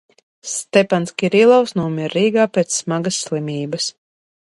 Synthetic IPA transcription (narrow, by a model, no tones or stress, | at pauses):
st̪ʲɛpanskʲiɾilˠɔwsnuɔmʲiɾːiːɡaːpʲet̪ssmaɡəsːlˠimʲiːbɐs